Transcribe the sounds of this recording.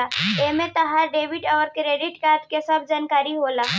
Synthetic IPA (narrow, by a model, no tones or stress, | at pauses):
aemet̪əɦaɖeʋiʈəʋəɾkɾeɖiʈkaɾd̪kesəbd͡ʑankaɾiːɦola